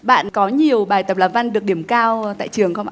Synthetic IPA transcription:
ɓa̰ː˧˨nkɔ˨˦ɲi˨˩əwɓaː˨˩jt̪ə˨˩p̚laː˨˩mva˧nɗɨ˨˩ək̚ɗi˧˩əmkaː˧wt̪a̰ː˧˨jt͡ɕɨ˨˩əŋxə˧wŋ͡mʔ

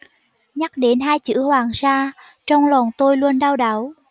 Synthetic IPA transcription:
ɲa˦˥k̚ɗe˨˦nɦaː˧jt͡ɕɨ̰˧˥hwaː˨˩ŋsaː˧ | t͡ɕɔ˧wŋ͡mlɔ˨˩nt̪o˧jlu˧ənɗaː˧wɗa˨˦w

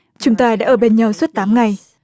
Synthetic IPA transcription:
t͡ɕʊ˨˦ŋ͡mt̪aː˧ɗa̰ː˧˥ʔəː˧˩ɓe˧˩nɲa˨˩wswə˦˥t̚t̪aː˨˦mŋa˨˩j

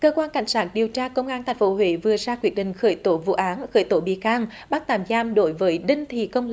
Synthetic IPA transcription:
kəː˧kwaː˧nka̰˧˩jŋ̟saː˦˥t̚ɗi˨˩əwt͡ɕaː˧kə˧wŋ͡mʔaː˧nt̪ʰŋ̟fo˨˦ɦwḛ˧˩˦vɨ˨˩əzaː˧kwi˦˥ət̚ɗḭ̈˨ŋ̟xəː˧˩jt̪o˧˩˦vṵ˧˨ʔaː˨˦nxəː˧˩jt̪o˧˩˦ɓḭ˧˨kaː˧ŋ | ɓa˦˥k̚t̪aː˨˩mzaː˧mɗo˧˦jvəː˨˦jɗï˧ŋ̟t̪ʰḭ˧˨kə˧wŋ͡m

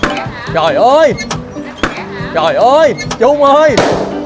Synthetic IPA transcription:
zo˨˩jʔəː˧j | zo˨˩jʔəː˧jt͡ɕʊ˧ŋ͡mʔəː˧j

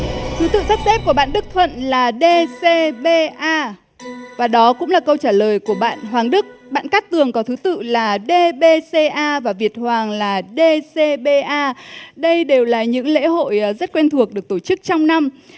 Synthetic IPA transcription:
t̪ʰɨ˨˦t̪ɨ̰˧˨sa˦˥t̚sɛ˦˥p̚ku˧˩əɓa̰ː˧˨nɗɨ˦˥k̚t̪ʰwə̰˧˨nlaː˨˩ɗe˧se˧ɓe˧ʔaː˧ | vaː˨˩ɗɔ˨˦kʊ̰˧˥ŋ͡mlaː˨˩kə˧wt͡ɕaː˧˩ləː˨˩jku˧˩əɓa̰ː˧˨nɦwaː˨˩ŋɗɨ˦˥k̚ɓa̰ː˧˨nkaː˦˥k̚t̪ɨ˨˩əŋkɔ˨˦t̪ʰɨ˨˦t̪ɨ̰˧˨laː˨˩ɗe˧ɓe˧se˧ʔaː˧vaː˨˩vi˨˩ət̚hwaː˨˩ŋlaː˨˩ɗe˧se˧ɓe˧ʔaː˧ɗə˧jɗe˨˩wlaː˨˩ɲɨ̰˧˥ŋlḛ˧˥ɦo̰˧˨jzə˦˥t̚kwɛ˧nt̪ʰu˨˩ək̚ɗɨ˨˩ək̚t̪o˧˩t͡ɕɨ˦˥k̚t͡ɕɔ˧wŋ͡mna˧m

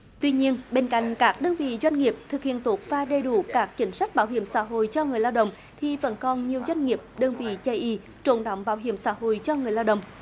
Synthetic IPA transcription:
t̪wi˧ɲi˧ənɓe˧nka̰˧˨jŋ̟kaː˦˥k̚ɗəː˧nvḭ˧˨zwa˧jŋ̟ŋi˨˩əp̚t̪ʰɨ˨˩k̚hḭ˧˨ənt̪o˦ət̚vaː˨˩ɗe˨˩ɗu˧˩˦kaː˦˥k̚t͡ɕï˨˦ŋ̟sa˦˥jk̟̚ɓaː˧˦wɦḭ˧˩˨əmsa̰ː˧˥ɦo̰˧˨jt͡ɕɔ˧ŋɨ˨˩əjlaː˧wɗə̰˧˨wŋ͡m | t̪ʰi˨˩və̰˧˥nkɔ˨˩nɲi˨˩əwzwa˧jŋ̟ŋi˨˩əp̚ɗəː˧nvḭ˧˨t͡ɕə˧jʔi˧ | t͡ɕo̰˧˩nɗa̰˧˨wŋ͡mɓaː˧˦wɦḭ˧˩əmsa̰ː˧˥ɦo̰˧˨jt͡ɕɔ˧ŋɨ˨˩əjlaː˧wɗə̰˧˨wŋ͡m

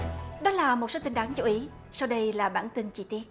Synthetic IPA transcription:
ɗɔ˨˦laː˨˩mo˨˩t̚so˨˦t̪ï˧ŋɗ̪aː˨˦ŋt͡ɕu˨˦ʔi˨˦ | sa˧wɗə˧jlaː˨˩ɓa̰ː˧˩nt̪i˧nt͡ɕi˧˩t̪i˦˥ət̚

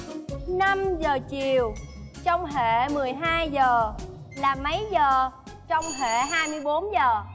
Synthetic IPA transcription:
na˧mzəː˨˩t͡ɕi˨˩əwt͡ɕɔ˧wŋ͡mɦḛ˧˨mɨ˨˩əjɦaː˧jzəː˨˩ | laː˨˩mə˨˦jzəː˨˩ | t͡ɕɔ˧wŋ͡mɦḛ˧˨ɦaː˧jmɨ˧əjɓo˨˦nzəː˨˩

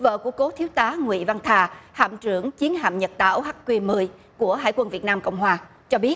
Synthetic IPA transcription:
və̰ː˧˨ku˧˩əko˨˦t̪ʰi˨˦əwt̪aː˨˦ŋwḭ˧˨va˧ŋt̪ʰaː˧ha̰ː˧˨mt͡ɕɨ˧˩əŋt͡ɕi˨˦ənɦa̰ː˧˨mɲə˨˩t̚t̪a̰ː˧˩wha˦˥t̚kwi˧mɨ˨˧˩əj | ku˧˩əɦa̰ː˧˨jkwə˧nvi˨˩ət̚naː˧mkə̰˧˨wŋ͡mɦwaː˧ | t͡ɕɔ˧ɓi˦˥ət̚

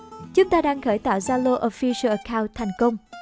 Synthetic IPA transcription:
t͡ɕʊ˨˦ŋ͡mt̪aː˧ɗaː˧ŋxəː˧˩jt̪a̰ː˧˨wzaː˧lo˧ʔo˧fi˧sə˧ʔə˨˩kaː˧wnt̚t̪ʰa˨˩jŋ̟kə˧wŋ͡m

